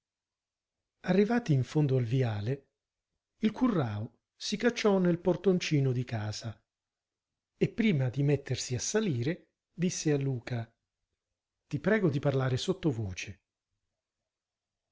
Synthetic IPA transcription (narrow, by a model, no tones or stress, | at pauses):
arːivaːt̪iːɱfond̪oalviaːle | ilkurːaːo | sikat͡ʃːɔnelport̪ont͡ʃiːnod̪ikaːz̥a | epːɾiːmad̪imet̪ːersiasːaliːɾe | d̪isːealːuːka | t̪ipɾɛːɡod̪iparlaːɾesot̪ːovoːt͡ʃe